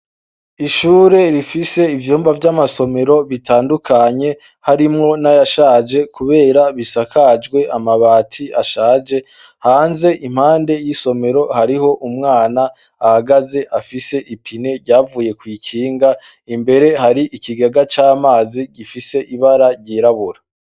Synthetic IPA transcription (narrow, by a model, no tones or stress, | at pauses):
iʃuːɾe̞ɾifise̞ivjuːmbavjamaso̞me̞ɾo̞βitʰaːndukʰaɲe̞ | haɾimŋo̞najaʃaːd͡ʒe̞kuβe̞ːɾaβisakʰad͡ʒɡwe̞ʔamaβaːtʰiaʃaːd͡ʒe̞ | haːnze̞ʔim̥haːnde̞jiso̞me̞ɾo̞haɾiɦo̞ʔumŋaːnaː | haɡaze̞ʔafise̞ʔipʰine̞ɾɟaːvuːje̞kwiːkʰiːŋɡa | imbe̞ɾe̞haɾiʔikiɡaɡat͡ʃaːmaːziɟifise̞ʔiβaɾaɾɟiɾaβuɾa